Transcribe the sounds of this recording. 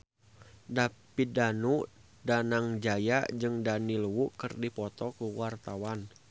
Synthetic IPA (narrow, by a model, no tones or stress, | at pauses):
dapidanu | danaŋd͡ʒajad͡ʒɨŋdaniluwuʔkɨrdipɔt̪ɔkuwart̪awan